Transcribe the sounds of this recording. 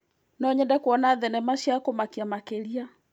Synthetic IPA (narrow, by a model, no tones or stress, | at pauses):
nɔɲɛndɛkoɔnaðɛnɛmaʃiakomakiamakeɾia